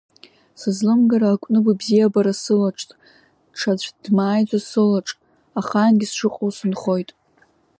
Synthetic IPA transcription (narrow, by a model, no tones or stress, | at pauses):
sɨzlɨmɡaɾaːkʷʼnɨbʷabzijabaɾasɨlaʈ͡ʂʰʼtʼ | ʈ͡ʂʰat͡ɕʷd̥maːjd͡zʷasɨlaʈ͡ʂʼ | aχaːnɡʲisʂɨqʼowsɨnχo̞jtʼ